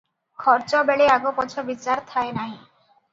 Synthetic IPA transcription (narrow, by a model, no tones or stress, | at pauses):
kʰɔɾt͡ʃɔbeɭeaɡopɔt͡ʃʰɔbit͡ʃaɾt̪ʰaenaɦĩ